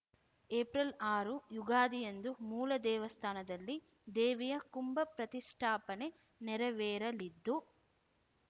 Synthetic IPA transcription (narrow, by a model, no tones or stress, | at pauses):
eːpɾɐlaːɾujuɡaːd̪ijend̪umuːlɐd̪ɛːʋɐst̪ʰaːnɐd̪ɐlːi | d̪eːʋijɐkumbɐpɾɐt̪iʂʈʰaːpɐne̞ | nɛɾɐʋɛːɾɐlid̪ːu